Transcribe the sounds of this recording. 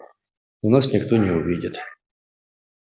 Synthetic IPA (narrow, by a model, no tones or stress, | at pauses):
unasnʲɪkt̪onʲɪʊvʲidʲɪt̪